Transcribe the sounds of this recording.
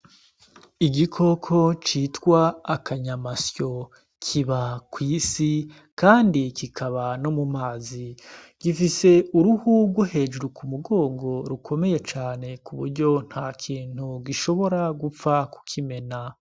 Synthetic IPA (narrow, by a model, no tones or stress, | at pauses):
iɡikʰo̞kʰo̞t͡ʃiːtkwaːkʰaɲamasjo̞ | kʰiβakwiːsi | kaːndikikʰaβano̞mumaːzi | ɡ̥ifise̞uɾuhuɡwohe̞ːd͡ʒuɾukʰumuɡo̞ːŋɡo̞ɾukʰo̞me̞je̞t͡ʃaːne̞kuβuɾɟo̞n̥hakʰiːn̥huɡiʃo̞βo̞ɾaɡup͡faku̥kʰime̞na